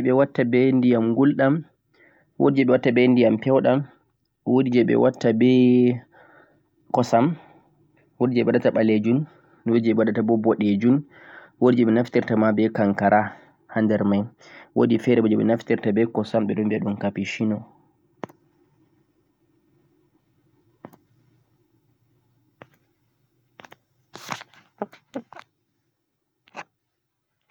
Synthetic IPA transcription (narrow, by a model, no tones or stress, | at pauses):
d͡ʒɛɓɛwatːabɛndijamɡulɗam | wo̰did͡ʒɛɓɛwatːabɛndijampɛwɗam | wodid͡ʒɛɓɛ̰watːabɛ | kɔsam | wodid͡ʒɛɓɛwaɗataɓaled͡ʒun | wodid͡ʒɛɓɛwaɗatabɔbɔɗed͡ʒun | wodid͡ʒɛɓɛnaftiɾtamabɛkaŋkaɾʔa | handɛɾmajwodifɛɾɛbɔd͡ʒɛɓɛnaftiɾtabɛkɔsamɓɛɗɔmbɛɗunkapiʃinɔ